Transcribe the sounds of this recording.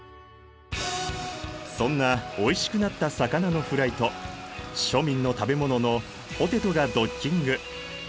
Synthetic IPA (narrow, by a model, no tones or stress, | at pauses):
sõ̞nːao̞iɕi̥kɯ̟nat̪ːasakanano̞ɸɯ̟ɾait̪o̞ | ɕo̞mʲĩnːo̞t̪abe̞mo̞no̞no̞ | ot̪e̞t̪o̞ɡad̪o̞kʲːĩŋɡɯ̟